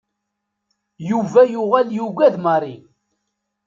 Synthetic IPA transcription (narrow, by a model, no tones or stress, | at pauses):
juvæjʊʁæljuɡæðmərˤi